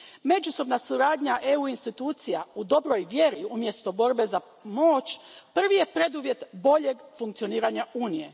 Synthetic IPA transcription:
me̞d͡ʒuso̞bnasuɾaːd̪ɲaʔeuinst̪it̪uːt̪sijaud̪o̞bɾo̞jʋjeɾiumje̞st̪o̞bo̞ɾbe̞za | moːt͡ʃpr̩ʋije̞pɾe̞d̪uʋje̞t̪bo̞ʎe̞ɡfuŋkt̪sio̞niːɾaɲauːnije̞̰

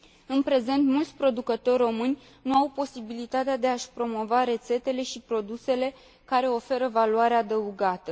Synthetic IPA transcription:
ɨnpɾe̞ze̞nt̪mult̪sʲpɾo̞d̪ukət̪o̞rʲro̞mɨnʲ | nuawpo̞sibilit̪at̪ead̪e̞aʃʲpɾo̞mo̞vaɾe̞t̪se̞t̪e̞le̞ʃipɾo̞d̪use̞le̞ | kaɾe̞o̞fe̞ɾəvaluaɾeaːd̪əuɡat̪ə

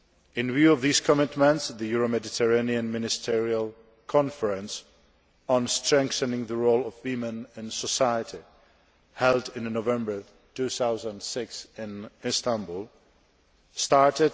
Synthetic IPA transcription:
ɨ̃nvjʉʌvðiz̥kʰəmɪtmə̃ntsðɨjuɹomɛdɨtʰə˞ẽɪniɨ̃nmɪnɨstʰɪɹiəlˠ | kʰɑ̃nfə˞ɨ̃ns | n̩stɹ̥ɛ̃ŋkθɨnɪ̃ŋðəɹoʊlˠʌvwimɨ̃nɨ̃nsəsaɪəɾi | hɛlˠdɪ̃nːovɛ̃mbə˞ | tʉθaʊzə̃ndsɪksɪ̃nɪstæ̃nbulˠ | stɑɹtɪd

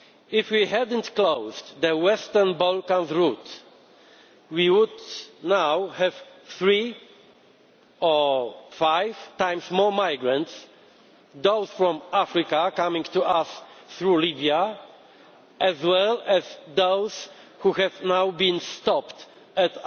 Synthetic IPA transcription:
ifwihɛd̪ntklowzd̪ɛwɛst̪ɛɹnbɔlkãnzɹut̪ | wiwud̪nawhɛvθɹi | ɔfajvt̪ãj̃msmɔɹmajɡɹãnts | d̪oʊsfɹɔ̃mafɾikakamĩŋt̪uasθɹulibia | ɛzwɛlɛzd̪owz̥ | huhɛvnawbĩnst̪ɔpt̪ | ɛt̪

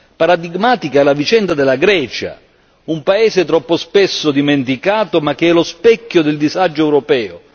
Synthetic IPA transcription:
paɾad̪iɡmaːt̪ikaalavit͡ʃɛnd̪ad̪ɪlːaɡɾɛːt͡ʃa̰ | umpaeːzɪt̪ɾɔpːospesːʊd̪iment̪ikaːt̪omak̟ːeɛlospɛkʲːod̪ɪld̪izad͡ʒːoɛwɾopɛːo

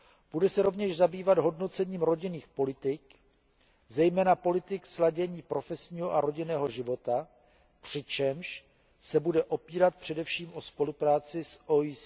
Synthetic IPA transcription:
b̥udɛsɛɾo̞vɲɛʒzabiːvad̪ɦo̞dno̞t͡sɛɲiːmɾo̞ɟɪniːxpo̞lɪt̪ɪk | zɛjmɛːnapo̞lɪt̪ɪkslaɟɛɲiːpɾo̞fɛsɲiːɦo̞ʔaɾo̞ɟɪnɛːɦo̞ʒɪvo̞t̪a | pr̝̥ɪt͡ʃɛmʃ | sɛbudɛʔo̞piːɾat̪̚pr̝̥ɛdɛfʃiːmʔo̞spo̞lupɾaːt͡sɪsois

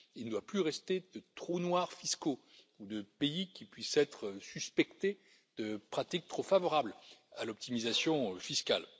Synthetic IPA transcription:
ilnəd̪waplyʁɛst̪ed̪ət̪χonwaʁfisko | ud̪əpeikʲipɥisɛt̪χsyspɛkt̪e | d̪̥əpχat̪ik̚t̪χofavɔʁablalɔp̚t̪imizasjɔ̃fiskʲal

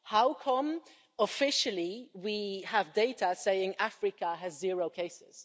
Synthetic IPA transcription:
haʊkʰə̃m | əfɪʃəlˠiwiəvdeɪtəseɪɪ̃ŋafɹɨkəɨzːɪɹoʊkʰeɪsɪ̰z̥

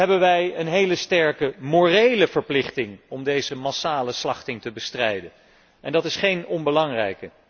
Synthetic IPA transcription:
ɦɛbənʋɛjənɦejləstɛɹkəmoːrejləvəɹplɪχtɪŋɔmdejzəmɑsaːləslɑχtɪŋtəbəstrɛjdən | ʔɛndɑtɪsχejnɔnbəlɑŋrɛjkə

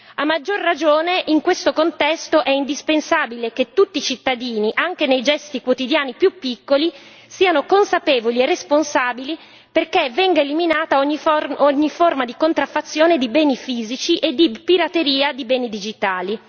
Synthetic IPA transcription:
amːad͡ʒːorːad͡ʒoːneʔiŋkwest̪okont̪ɛst̪oʔɛind̪ispensaːbileket̪ːut̪ːit͡ʃit̪ːad̪iːniʔaŋk̟enejd͡ʒɛst̪ikwot̪id̪jaːnipjupːikːoli | siːanokonsapeːvolierːesponsaːbili | perkevɛŋɡaeliminaːt̪aoɲːioɲːiformad̪ikont̪ɾafːat̪sːjoːned̪ibɛːnifiːzit͡ʃiʔed̪ːipiɾat̪eɾiːad̪ibɛːnid̪id͡ʒit̪aːli

